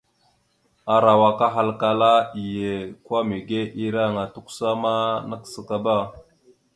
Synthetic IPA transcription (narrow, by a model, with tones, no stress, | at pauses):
a˨ɾa˨wa˨ka˦ɦa˦lka˨la˦i˨je˨kwa˦mi˨ɡe˦ʔi˦ɾa˦˨ŋa˨tu˦ksa˦ma˦na˦ksə˨ka˦ba˦˨